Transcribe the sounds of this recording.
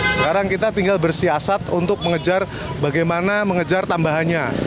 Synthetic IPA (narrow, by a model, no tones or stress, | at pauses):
sə̥kaɾaŋkit̪at̪iŋɡalbərsiasat̪unt̪ʊk̚məŋəd͡ʒar | baɡajmanaməŋəd͡ʒart̪ambaɦanɲa